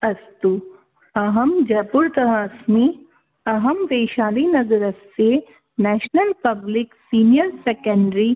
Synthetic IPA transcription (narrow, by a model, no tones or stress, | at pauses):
ɐst̪u | ɐɦɐmd͡ʒɐːpʊɾt̪ɐɾasmi | ɐɦɐmʋeːʃaːlinɐzɐɾɐsse | nɛːʃnɐlpɐblɪksiːnijəɾsekə̃ɳɖɾi